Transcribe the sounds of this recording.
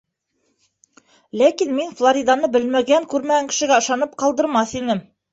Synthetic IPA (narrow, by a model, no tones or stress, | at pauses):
lækinminflˠoɾʲid̪anɤbɘ̆lmæɡæŋkʉɾmæɡæŋkɘ̥̆ʃɘ̆ɡæɤ̆ʃɑnɤp̚qɑlˠd̪ɤ̆ɾmɑθinɘm